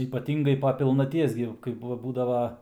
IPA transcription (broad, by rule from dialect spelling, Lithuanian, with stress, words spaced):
iːpɐˈtʲɪŋɡɐɪ poː pʲɪlˠnɐˈtʲiɛs ɡʲɪ kɐɪp ˈbuːdɐʋɐ